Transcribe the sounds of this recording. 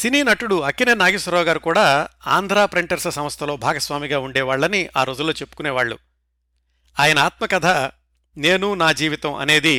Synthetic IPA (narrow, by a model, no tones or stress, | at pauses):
siniːnɐʈuɽuɐkːineːnaːɡisɐɾɔːɡaːɾukuːɽaːa̰ːnd̪ʱɾaːpɾeɳʈɐɾsɐsɐmɐst̪ʰɐlo̞ːbʱaːɡɐsʋaːmiɡaːuɳɖɛːʋaːɭːɐnia̰ːɾo̞ːd͡ʒulo̞ːt͡ʃe̞pːu̥kunɛːʋaːɭːṵ | aːjɐnɐaːt̪mɐkɐd̪ʱa | ne̞ːnunaːd͡ʒiːʋit̪ɐmʔɐ̰ne̞ːd̪i